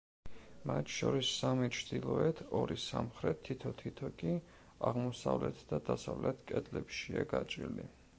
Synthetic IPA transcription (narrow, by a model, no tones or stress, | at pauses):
mat̪ʰʃɔɾisːamit͡ʃʰd̪ilˠɔɛt̪ʰɔɾisamχɾɛt̪ʰːit̪ʰɔt̪ʰit̪ʰɔkʼi | aʁmɔsavlɛt̪ʰd̪ad̪asavlɛt̪ʰkʼɛd̪ʼlɛpʃiaɡat͡ʃʼḭli